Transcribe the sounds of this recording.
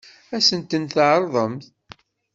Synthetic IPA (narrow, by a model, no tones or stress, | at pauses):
æsənt̪ənθʕɾˤðˤəmθ